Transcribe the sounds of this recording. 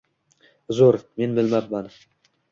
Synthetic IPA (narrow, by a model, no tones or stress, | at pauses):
zoɾme̞nbɪlmamːan